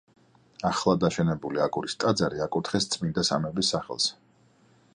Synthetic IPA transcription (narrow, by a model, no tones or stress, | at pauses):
aχlˠad̪aʃɛnɛbuliakʼuɾist̪ʼad̪zaɾiakʼut̪ʰχɛst̪sʼmind̪asa̰mɛbisːaχɛ̰lˠs